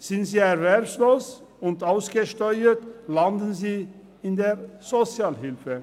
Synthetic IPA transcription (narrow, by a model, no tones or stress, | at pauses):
z̥ɪntz̥iːɛʁvɛʁpsloːs | ʊntaʊsɡ̥əʃtɔʏətlandən̩ziː | ɪndeːz̥ot͡sjaːlɦɪlfə